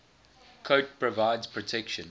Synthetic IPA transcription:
kʰoʊt̚pʰɹəvaɪdz̥pʰɹətʰɛkʃə̃n

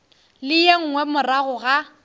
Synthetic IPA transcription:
lɪjeŋ̩ŋwɛmʊraɣʊɣa

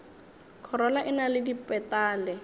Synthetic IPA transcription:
kʰɔɾɔlaʔɪnalɪdipʼɛtaːlɛ

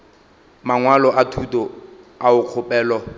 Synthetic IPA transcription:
maŋwalɔatʰutɔ | aʊq͡χʰʊpʼɛːlɔ

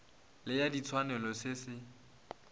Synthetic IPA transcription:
lɪjadit͡sʰwanɛlɔsɪsɪ

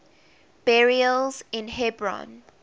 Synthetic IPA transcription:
b̥ɛɹiəlzɪ̃nhɛbɹɔ̰̃n

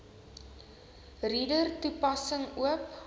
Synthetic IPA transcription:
ridərtupɐsəŋuəp

